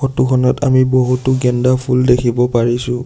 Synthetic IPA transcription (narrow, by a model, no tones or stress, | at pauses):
xɔtukʰɔnɔta̰miboɦutʊɡɛndapʰuldekʰibɔpaɹisʊ̃